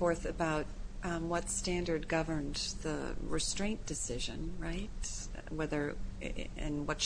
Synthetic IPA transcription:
fɔɹθɨbaʊt̚wʌtstæ̃ndə˞d̚ɡʌvə̃˞nðə̰ɹɨstɹ̥ẽɪ̃nd̥ɨsɪʒɨ̰̃nɹaɪt̚ | wɛðə˞ | ɨ̰̃nwʌt

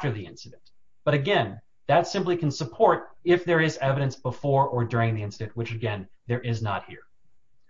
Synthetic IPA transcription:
ə˞ðiɪ̰̃nsɨɾɨ̃nt | b̥ʌɾɨɡɛ̃n | ðɨtsɪ̃mplikʰn̩səpʰɔɹɾɪfðə˞ɪzɛvɨɾɨ̃nsb̥əfɔɹə˞dʊɹɪ̃ŋðiɪ̃nsɨɾɨ̃nʔwɨt͡ʃɨɡɛ̃nðə˞ʔɪznə̰t̚hḭɹ

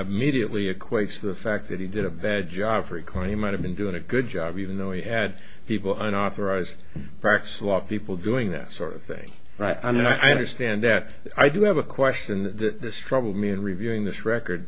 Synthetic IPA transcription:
ɨmiɾiɨʔˡliɨkʰw̥eɪtstʰɨðəfæk̚ðɨt̚hidɨɾɨbæd̚d͡ʒɑb̥fə˞ɨkʰl̥ãɪ̃nhimaɪt̚hɨvbɨ̃ndʉɪ̃ŋɨɡʊd̚d͡ʒɑbivn̩ðoʊiɨd̚ | pipl̩ˠʌ̃ñɔθə˞aɪzd | pʰɹ̥æk̚tə̥səlɔt̚pipl̩ˠdʉɪ̃ŋðɨ̰tsɔ̰ɹɾʌ̰v̥θɪ̰̃ŋ | ɹatnaɪʔaɪʌ̃ndə˞stæ̃nðɨt̚ | aɪdɨɨvəkʰw̥ɛst͡ʃɨ̃nðɨt̪̚ðɨtstʰɹ̥ʌbl̩ˠd̚miɨ̃nɹivjʉɪ̃ŋðɪsɹɛkə˞d̚

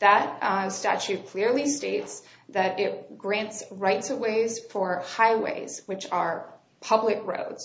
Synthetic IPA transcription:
ðət̚stæ̰t͡ʃʉt̚kʰl̥ɪɹlˠisteɪts | ðɨɾɪt̚ɡ̥ɹæ̃ntsɹaɪtsɨweɪz̥fə˞haɪwḛɪz̥wɨt͡ʃə˞ | pʰʌblɨkɹo̰ʊdz̥

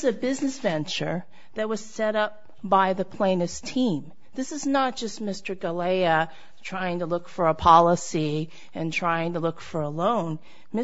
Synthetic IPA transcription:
zɨbɪznɨsvɛ̃nt͡ʃə˞ | ðɨt̚wʌz̥sɛɾʌp̚ | b̥aɪðɨpʰl̥ẽɪ̃nɨstʰĩm | ðɪsɨznət̚d̥ʒ̥ʌst̚mɪstə˞ɡəleɪɨ | tʰɹ̥aɪɪ̃ŋtʰəlʊkfə˞əpʰɑlˠəsi | ɨ̃ntʰɹ̥aɪɪ̃ŋtəlʊkfə˞əlõʊ̃n | mɪ

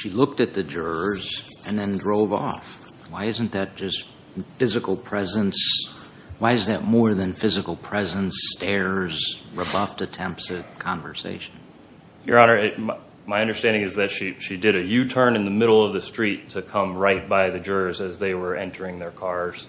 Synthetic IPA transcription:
ʃilʊk̚tɨt̪̚ðɨd͡ʒʊɹzɨ̃nðɨ̃ndɹoʊvɔ̰f | waɪɪz̃n̩ðɨt̚d̥ʒ̥ʌst | fɪzɨkl̩ˠpʰɹ̥ɛzə̃ns | waɪɨzðɨt̚mɔɹðɨ̃nfɪzɨkl̩ˠpʰɹ̥ɛzə̃nstɛɹzɹɨbʌftɨtʰɛ̃mp̚sɨ̥kʰɑ̃ɱvə˞sḛɪʃn̩ | jə̰˞ɑnə˞ɪm | maɪʌ̃ndə˞stæ̃ndɪ̃ŋɨzðɨtʃiʃidɨɾɨjʉtʰɜ̃˞nɨ̃nðɨmɪɾl̩ˠʌvðɨstɹ̥itʰɨkʰʌ̃mɹaɪt̚b̥aɪðɨd͡ʒʊɹzɨzðeɪwə˞ɛ̃ntʰə˞ɪ̃ŋðə˞kʰɑɹz̥

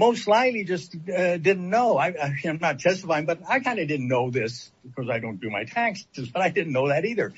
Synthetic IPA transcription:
moʊstslaɪtˡlid͡ʒʌstʌdɪdⁿn̩noʊaɪaɪãɪ̃mnət̚tʰɛstəfaɪɪ̃ŋbʌɾaɪkʰãɪ̃ndɨdɪdⁿn̩noʊðɪs | kʰʌzaɪdõʊ̃nd̥ɨmaɪtʰæ̃ŋksɨzb̥ʌɾaɪdɪdⁿn̩noʊðɨɾiðə˞

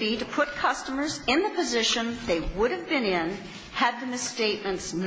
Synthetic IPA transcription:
iɾɨpʰʊt̚kʰʌstəmə˞zɪ̃nðəpɨzɪʃɨ̃nðeɪwʊɾɨvbɨ̃nɪ̃n | ɨd̪̚ðɨmɨsteɪt̚mɨ̃ntsn

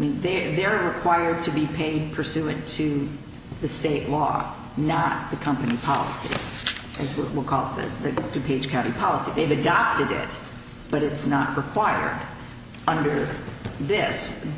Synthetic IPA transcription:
mĩnðeðəɹɨkʰw̥aɪə˞d̚tʰɨbipʰeɪd̚pʰə˞sʉɨ̃ntʰɨ | ðɨsteɪʔˡlɔ̰ | nət̪̚ðɨkʰʌ̃mpɨnipʰɑ̰lˠə̰sḭʔɨzwʌʔwəlˠkʰɔlˠðɨ̰ðɨd̥ʉpʰeɪd̥ʒ̥kʰãʊ̃ɾ̃ipʰɑlˠəsiðeɪvɨdɑp̚tɨɾɪ̰t̚ | b̥ʌɾɨtsnəʔ̚ɹɨkʰw̥aɪə̰˞d | ʌ̃ndə˞ðɪs

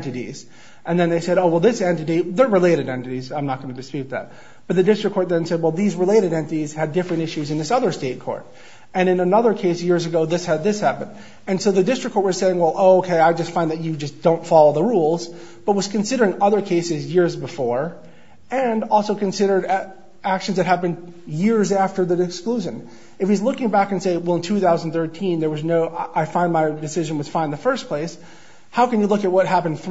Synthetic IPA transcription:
ntɨɾḭz̥ | ʔɨ̃nðɨ̃nðeɪsɛɾoʊwɛlˠðɪsɛ̃ntɨɾiðə˞ɹɨleɪɾɨɾɛ̃ntɨɾizãɪ̃mnət̚ɡ̥ʌnɨdɨspjʉt̪̚ðæ̰t̚ | b̥ʌt̪̚ðɨdɪstɹ̥ɨkʰːɔɹt̪̚ðɨ̃nsɛd̚wɛlˠðizɹɨleɪɾɨɾɛ̃ntɨɾiz̥ɨdɪfɹɨ̃ntɪʃʉzɨ̃nðɪsʌðə˞steɪt̚kʰɔ̰ɹɾ | ɨ̃ñɨ̃nənʌðə˞kʰeɪsjɪɹzɨɡoʊðɪshɨd̪̚ðɪshæpɨ̃nd | ɨ̃nsoʊðɨdɪstɹ̥ɨkʰɔɹt̚wʌz̥seɪɪ̃ŋwɛlˠʔoʊoʊkʰeɪaɪd͡ʒʌstfãɪ̃nðɨt͡ʃɨd͡ʒʌsd̥õʊ̃ntfɑlˠoʊðəɹulˠz | b̥ʌt̚wʌz̥kʰɨ̃nsɪɾə˞ɪ̃ŋʌðə˞kʰeɪsɨzjɪɹzbɨfɔɹ | ɨ̃nɔlˠsoʊkɨ̃n̩sɪɾə˞ɾ | ækʃn̩zðɨt̚ɦæpɨ̃n | jɪɹzæftə˞ðɨɨkskluʒɨ̃n | ɨfizlʊkɪ̃ŋbækɨ̃nseɪwɛlˠə̃ntʰʉθaʊz̃n̩θɜ˞tʰĩnðə˞wʌznoʊʔaɪfãɪ̃nmaɪdɨsɪʒɨ̃nwɨð̥fãɪ̃nðɨfɜ˞spʰl̥eɪs | haʊkɨ̃njɨlʊkɨt̚wʌt̚ɦæpɨ̃n̩dθ

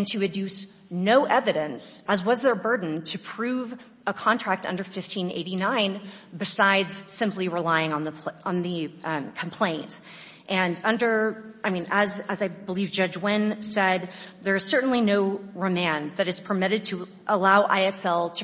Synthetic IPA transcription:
ntʰɨɨdʉs | noʊʔɛvɨɾɨ̃nsʔəzwʌzðə˞bɜ˞dⁿn̩tʰɨpʰɹ̥ʉv | əkʰɑ̃ntʰɹ̥æk̚tʌ̰̃ndə˞fɪftʰĩnḛɪɾinãɪ̃n | bɨsaɪdz̥sɪ̃mpliɹəlaɪɪ̃ŋə̃nðəpʰə̃nðɨkʰm̩pʰl̥ẽɪ̃nt | ʔɨ̃nʌ̃ndə˞aɪmĩnɨzɨzaɪbəlivd͡ʒʌd͡ʒwɪ̃nsɛd̪̚ðə˞ɨz̥sɜ˞ʔn̩linoʊɹɨmæ̃nðɨɾɨz̥pʰə˞mɪɾɨd̚tʰɨ | ʔəlaʊʔa̰ɪɛksɛlˠtʰ

